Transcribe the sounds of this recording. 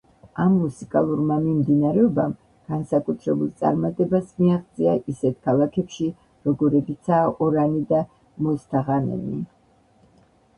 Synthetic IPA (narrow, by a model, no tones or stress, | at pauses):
amːusikʼalˠuɾmamimd̪inaɾɛɔbam | ɡ̥ansakʼut̪ʰɾɛbulˠt̪sʼa̰ɾmat̪ʼɛbasmiaʁt̪sʼia̰ʔisɛt̪ʰkʰalˠakʰɛpʃi | ɾɔɡɔɾɛbit̪sʰaːʔɔɾanid̪a | mɔst̪ʰaʁanɛ̰ni